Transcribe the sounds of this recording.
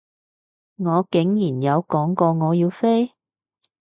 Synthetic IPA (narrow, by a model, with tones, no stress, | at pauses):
ŋɔː˨˧kɪ˨˥ŋjiː˨˩njɐ˨˧wkɔː˨˥ŋkɔː˧ŋɔː˨˧jiː˧wfe˥j